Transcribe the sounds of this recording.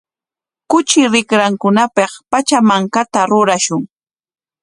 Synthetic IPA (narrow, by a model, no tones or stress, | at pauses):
kʊt͡ʃɪɾɪkɾaŋkʊnapɑχpat͡ʃamaŋkat̪aɾʊɾaʃʊŋ